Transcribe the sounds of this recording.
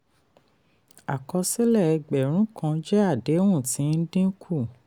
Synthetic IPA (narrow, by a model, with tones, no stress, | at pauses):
a˨kɔ˧se˦lɛ˦˨ɛ˧ɡ͡bɛ˨ɾ̃ũ˨˦kã˧d͡ʒɛ˦a˦˨de˨˦wũ˦˨tĩ˨˧˦n̩˦dĩ˦kʰu˦˨